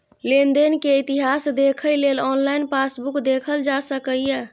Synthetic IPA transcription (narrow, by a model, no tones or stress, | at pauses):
lend̪enkeit̪iɦasd̪ekʰəjlelɔnlainpasbukd̪ekʰəld͡ʒasəkəjje